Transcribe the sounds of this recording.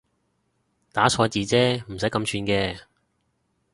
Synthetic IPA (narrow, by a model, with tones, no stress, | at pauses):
t̪aː˨˥t͡sʰɔː˧t͡siː˧t͡sɛː˥m̩˨˩sɐ˨˥jkɐ˧mt͡ʃʰyː˧nkɛː˧